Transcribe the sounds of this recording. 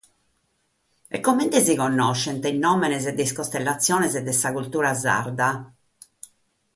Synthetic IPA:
ɛ̰kːomɛnt̪iziɣɔnːɔʃːɛnt̪ɛinːɔːmɛnɛzɛd̪ːɛiskɔst̪ɛlːat̪sːjɔːnɛzɛd̪ːɛsaɣult̪uːɾaza̰ɾd̪a

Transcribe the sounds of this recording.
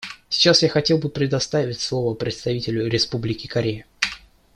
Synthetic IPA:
sʲɪ̥t͡ɕːasjaxɐtʲe̞lˠbɨpɾʲɪd̪ɐst̪avʲɪtʲslˠovəpɾʲɪt̪st̪ɐvʲitʲɪlʲʊɾʲɪspublʲɪkʲɪkɐɾʲejə

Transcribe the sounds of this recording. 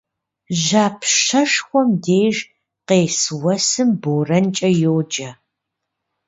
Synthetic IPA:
ʑaːpʰʃɐʂxʷɔmdeːʒ | qeːswɐsɨmboːrɐnt͡ʃʼɐjowd͡ʒɐ

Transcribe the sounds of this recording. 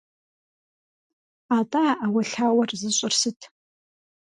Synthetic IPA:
atʼaːawaɬaːwɐrzɨɕʷʼɪrsɨtʰ

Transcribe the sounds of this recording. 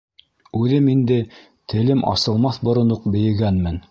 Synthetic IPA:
ʉðɘmind̪ɘ | t̪ʰɘ̆lɘmʔɑ̰sɤ̆lˠmɑθbŏɾɤ̆nuq̚bɘ̆jɘ̆ɡænmɘn

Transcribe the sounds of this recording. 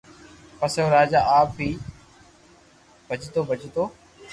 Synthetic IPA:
pəsjoːɾaːd͡ʒaːʔaːpiː | b̥ʱəd͡ʒt̪oːbʱəd͡ʒt̪oː

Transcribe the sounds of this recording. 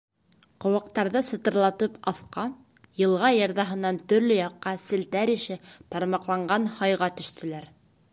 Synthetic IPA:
qŏwɑqt̪ɑɾðɤsɤ̆t̪ɤ̆ɾlˠɑt̪ɤpʰɑθqɑ | jɤ̆lˠʁɑjɑɾðɑɦɤ̆nɑnt̪ɵ̆ɾlɵjɑqːɑsɘ̆lt̪æɾiʃɘt̪ɑɾmɑqlˠɑɴɢɑnhɑjʁɑt̪ɵ̆ʃt̪ɘ̆læɾ

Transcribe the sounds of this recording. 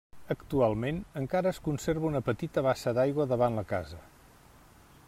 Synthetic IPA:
əkt̪ualˠmenəŋkaɾəːskunseɾβəunəpət̪it̪əβasəðajɣwəðəβanləka̰zə

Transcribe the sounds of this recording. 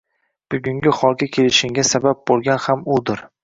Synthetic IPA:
b̥ʊɡʲʊŋɡʲɪχɒlˠɡʲakʲʰe̞lɪʃɪŋɡʲasabap̚bolˠɡʲanhamʊd̪ɪɾ

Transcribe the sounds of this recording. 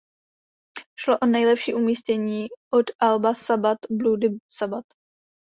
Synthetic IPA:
ʃloʔonɛjlɛpʃiːʔumiːscɛɲiːʔot̪ʔalbasabat̪bludɪsabat̪

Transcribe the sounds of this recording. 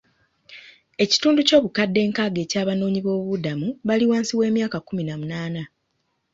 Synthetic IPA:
e̞ci̥tuːnduco̞ːβukadːe̞ːŋkaːɡe̞ːcaːβano̞ːɲiβo̞ːβudamuβaliwaːnsiwe̞ːmjaːkakːuminamunaːna

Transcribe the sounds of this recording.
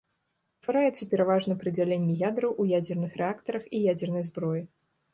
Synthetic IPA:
st̪vaɾajɛt̪sɐpʲɛɾavaʐnɐpɾɨd͡zʲalʲenʲːɛjʲad̪ɾɐwʔujad͡zʲɛrnɨxrɛakt̪ɐɾɐxijad͡zʲɛrnɐjzbɾɔji

